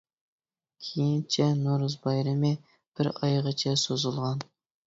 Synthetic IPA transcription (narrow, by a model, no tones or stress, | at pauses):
kʲʰejint͡ʃʰɛnoɾuzbɑjɾɨmɨ | b̥ɪɾɑjʁət͡ʃʰɛsozulˠʁɑn